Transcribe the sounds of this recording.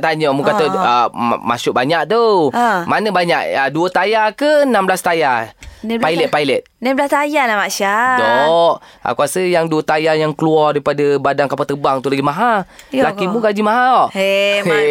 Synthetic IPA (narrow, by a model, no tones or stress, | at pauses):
t̪aɲəmukat̪əə̰ma̰sʊʔ̚baɲak̚t̪omanəbaɲa̰ʔ̚əduət̪ajakənamblast̪ajapajlɛt̪̚pajlɛt̪̚namblast̪ajalamaʃadɔʔ | ʔa̰kuasəjaŋduət̪ajajaŋkəluɔrdaipadəbadaŋkapat̪əbaŋt̪ulaɡimaɦa | lakimukad͡ʒimaɦaɔʔe